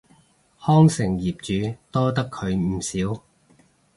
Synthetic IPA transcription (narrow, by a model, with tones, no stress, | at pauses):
hɔː˥ŋsɪ˨˩ŋjiː˨˩p̚t͡ʃyː˨˧t̪ɔː˥t̪ɐ˥kʰːɵ˨˧ɥm̩˨˩siː˨˥w